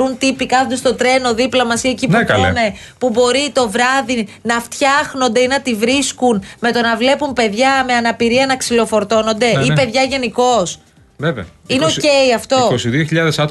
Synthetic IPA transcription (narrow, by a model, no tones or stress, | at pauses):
unt̪ipikɐnod̪st̪o̞t̪ɾe̞no̞ðiplɐmɐsiecinekɐl̰ne̞ | pubo̞ɾit̪o̞vɾɐðinɐft̪çɐxno̞nd̪e̞inɐt̪ivɾiskunme̞t̪o̞nɐvle̞pumpe̞ðʝɐme̞ɐnɐpiɾiɐnɐksilo̞fo̞ɾt̪o̞no̞nd̪e̞ipe̞ðʝɐʝe̞niko̞s | veveɐineoce̞iɐft̪o̞kosiðioçiʎɐðesɐt̪